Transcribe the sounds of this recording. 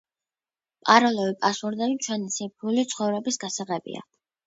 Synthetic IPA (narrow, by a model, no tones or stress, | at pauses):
pʼaɾɔlɔvipʼasuɾd̪ɛbit͡ʃʰwɛnisipʰulit̪sʰχɔvɾɛbisɡasaʁɛbḭa̰